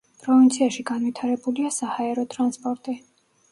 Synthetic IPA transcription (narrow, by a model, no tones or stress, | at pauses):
pʼɾɔvint̪sʰiaʃiɡanvit̪ʰaɾɛbuliasahaɛɾɔt̪ʼɾanspʼɔɾt̪ʼi